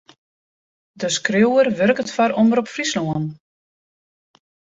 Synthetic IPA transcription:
dəskrewərʋørkətfaɾɔməɾɔpfrislɔən

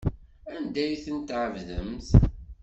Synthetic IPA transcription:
ænd̪æjθənt̪ʕəvðəmθ

